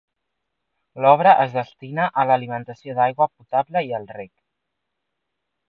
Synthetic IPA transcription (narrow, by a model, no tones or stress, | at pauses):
lɔβ̞ɾəʔəzðəst̪inəʔələlimənt̪əsioðajɣwəput̪abləiəlˠrek